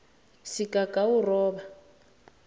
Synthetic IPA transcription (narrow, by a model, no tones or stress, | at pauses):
sikakʼaurɔːβa